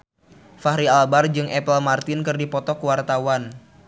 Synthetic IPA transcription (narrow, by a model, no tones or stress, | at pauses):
fahɾialbard͡ʒɨŋʔɛpəlmart̪ɪnkɨrdipɔt̪ɔkəwart̪awan